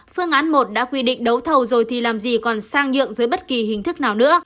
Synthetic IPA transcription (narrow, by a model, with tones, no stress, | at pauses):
fɨ˧əŋʔaː˨˦nmo˨˩t̚ɗa̰ː˧˥kwi˧ɗḭ̈˧˨ŋ̟ɗə˨˦wt̪ʰə˨˩wzo˨˩jt̪ʰi˨˩laː˨˩mzi˨˩kɔ˨˩nsaː˧ŋzɨ̰˧˨əŋzəː˨˦jɓə˦˥t̚ki˨˩ɦï˨˩ŋ̟t̪ʰɨ˦˥k̚naː˨˩wnɨ̰˧˥ə